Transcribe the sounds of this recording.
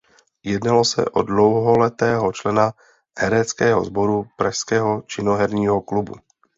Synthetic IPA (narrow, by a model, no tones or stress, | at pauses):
jɛdnalo̞sɛ̰ʔo̰dlo̞wɦolɛt̪ɛːɦot͡ʃlɛna | hɛɾɛt͡skɛːɦo̞̰zbo̞ɾupɾaʃskɛːɦot͡ʃɪnoɦɛɾɲiːɦoklubṵ